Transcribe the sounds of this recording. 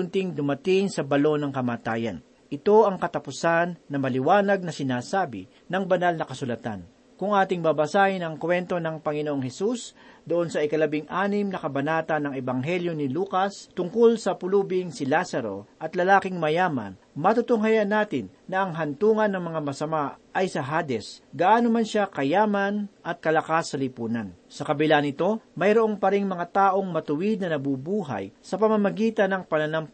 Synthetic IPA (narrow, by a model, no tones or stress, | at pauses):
ʊnt̪ɪŋd̪ʊmɐt̪ɪŋsɐbɐlo̞nɐŋkɐmaːt̪aːjɐ̰n | ʔɪt̪o̞ʔɐŋkɐt̪ɐpʊsanːɐmɐlɪwaːnɐɡ̚nɐsɪnaːsaːbɪ̰ | nɐŋbɐnalnɐkɐsʊlɐt̪a̰n | kʊŋʔaːt̪ɪŋbabɐsaːhɪnɐŋkwɛnt̪o̞nɐŋpɐŋɪnoʔoŋhɛsusd̪ʊʔonsɐɪkɐlɐbɪŋʔaːnɪmnɐkɐbɐnaːt̪ɐnːɐŋɛbɐŋɦɛljo̞nɪluːkɐst̪ʊŋkolsɐpʊlubɪŋsɪlasɐɾo̞ʔɐt̪lɐlaːkɪŋmɐjaːmɐ̰n | mɐt̪ut̪ʊŋɦajɐnaːt̪ɪnːɐʔɐŋɦɐnt̪uːŋɐnːɐŋmɐŋamɐsɐmaʔɐjsɐɦaːd̪ɛsɡaʔaːnomɐnʃakɐjaːmɐnʔɐt̪̚kɐlɐkasːɐlɪpuːnɐnsɐkɐbɪlanɪt̪o̞mɐjɾoʔo̞ŋpɐɾɪŋmɐŋat̪aːʔo̞ŋmɐt̪ʊwɪd̪̚nɐnɐbubuːɦa̰jsɐpɐmɐmɐɡiːt̪ɐnːɐŋpɐnɐnam